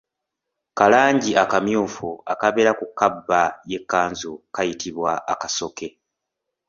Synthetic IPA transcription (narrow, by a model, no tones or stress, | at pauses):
kalaːɲɟiʔakamjuːfuakaβeɾakukːabːaje̞kːaːnzukajitʰiβwaʔːkaso̞ke̞